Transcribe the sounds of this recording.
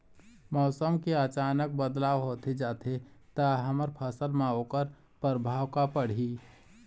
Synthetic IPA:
mɔːsəmkeət͡ʃaːnək̚bəd̪laːʋɦoːt̪ed͡ʒaːt̪ʰet̪əɦəməɾpʰəsəlmãɦoːkəɾ | pəɾbʱaːwkapəɽ̤i

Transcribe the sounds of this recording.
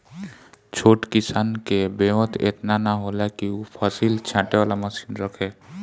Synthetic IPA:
t͡ʃʰoːʈkisaːnkebemət̪ḛt̪nanaɦolakiupʰəsilt͡ʃʰãːʈeʋaːlaməsinɾəkʰe

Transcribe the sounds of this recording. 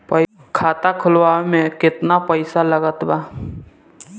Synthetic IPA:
pəɪ | kʰaːt̪akʰʊlwaːemẽkɪt̪napəɪsaləɡət̪baː

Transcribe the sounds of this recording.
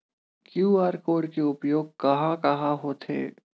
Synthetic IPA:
kjuːaːɾkoːɽkeʊpjoːɡ̚kɐɦãkɐɦãɦoːt̪ɦḛː

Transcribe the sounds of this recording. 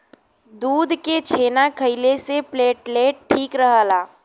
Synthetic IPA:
d̪uːd̪ʱket͡ʃʰeːnakʰəɪlesepleːʈleːʈʈʰːiːkɾəɦəːlaː

